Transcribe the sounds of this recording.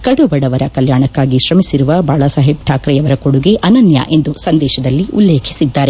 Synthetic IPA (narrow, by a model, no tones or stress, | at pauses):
kɐɽubɐɽɐʋɐɾɐkɐljaːɳɐkːaːɡiʃɾɐmisiɾuʋɐbʱaːɭɐsɐɦeb̚ʈʰaːkɾɛjɐʋɐɾɐkoɽuɡeʔɐnɐnjɐ̰ʔe̞nd̪usɐnd̪ɛːʃɐd̪ɐlːiʔulːeːkʰi̥sid̪ːaːɾe